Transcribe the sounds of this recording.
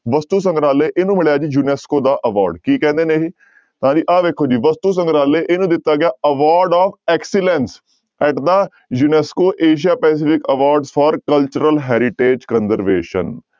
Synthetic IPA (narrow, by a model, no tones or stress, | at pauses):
ʋəst̪uːs̬ə̃ŋɡɾaːleːʔeːnũːmɪɭjaːd͡ʒiːjuːnɛːskoːd̪aːʔəʋa̰ːɾɖkiːkɛ̃ːnd̪eːneːɦiː | t̪əɦãːd͡ʒiːʔaːʋeːkʰːoːd͡ʒiːʋəst̪uːs̬ə̃ŋɡɾaːlːeːʔeːnũːd̪ɪt̪ːaːɡɪaːəʋaːɾɖaːfɛːksɪlɛ̃ns | ɛːʈd̪ə | juːnɛːskoːʔeːʃ̬ijaːpɛːs̬ɪfɪkəʋaːɾɖsfʰɔːɾkəlt͡ʃəɾəlɦɛːɾɪʈeːd͡ʒkənzəɾʋḛːʃə̰n